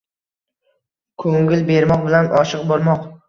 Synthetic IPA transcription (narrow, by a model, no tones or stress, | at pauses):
kʰɵŋɪlbe̞ɾmɒqbɪlanʔɒʃɨq̚bɒɾmɒq